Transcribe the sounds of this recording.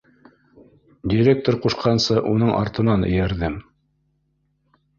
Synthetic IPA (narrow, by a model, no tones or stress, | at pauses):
dʲiɾʲek̚t̪oɾquʃqɑnsɤʔunɤɴʔɑ̰ɾt̪ɤ̆nɑnɘ̰̆jæɾðɘm